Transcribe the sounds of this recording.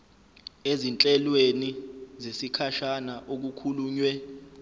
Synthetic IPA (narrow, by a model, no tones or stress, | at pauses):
ezint͡ɬʼɛlwenizesikʰaʃanaʔok̬ukʰuluːɲwɛ